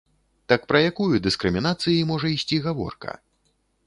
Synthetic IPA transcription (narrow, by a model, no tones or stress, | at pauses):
t̪akpɾɐjakujud̪ɨskɾɨmʲinat̪sɨjimɔʐɐisʲt͡sʲiɣavɔ̰rkɐ̰